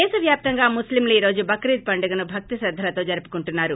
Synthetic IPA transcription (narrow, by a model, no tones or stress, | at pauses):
ɛːsɐʋjaːp̚t̪ɐŋɡaːmuslimliːɾo̞ːd͡ʒubɐkɾiːt̪̚pɐɳɖɐɡɐnubʱɐk̚t̪isɐd̪ʱːɐlɐt̪o̞ːd͡ʒɐɾupu̥kuɳʈunːaːɾu